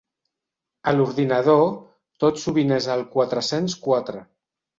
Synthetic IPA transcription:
əluɾðinəð̞o | t̪ot̪suβinezəlˠkwat̪ɾəsenskwat̪ɾə

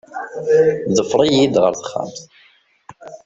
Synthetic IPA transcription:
ðəfɾˤijid̪ʁə̰ɾθə̥χːa̰mθ

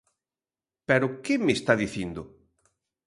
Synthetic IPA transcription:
pɛɾʊkɪmɪst̪aðiθind̪ʊ

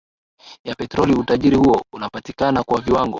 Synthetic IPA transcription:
japɛtɾɔliutaʄiɾihuɔunapatikanakwaviwaŋɡɔ

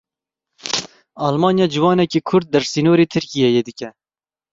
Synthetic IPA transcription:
ɑːlmɑːnjɑːd͡ʒɨwɑːnɛkiːkʰʊɾd̪̚d̪ɛɾsiːnoːɾiːt̪ʰɨɾkijɛjed̪ɨkɛ

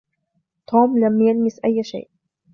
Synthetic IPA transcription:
t̪ʰoːmlamjanmɪsʔajːaʃa̰ːʔ

